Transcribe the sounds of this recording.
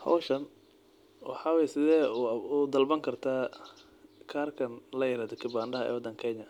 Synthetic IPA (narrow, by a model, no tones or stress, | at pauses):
hɐ̰wʃɐn | wɑ̰ħɑːwɛjɛsɪðɛːud̪ɐlbɐŋkʰɐrt̪ʰaː | kʰaːrkʰɐnlɐjɪɾaːd̪ɔkʰɪbaːɳɖɐɦɐɛ̰ːwɔd̪ɐŋkʰɛɲɐ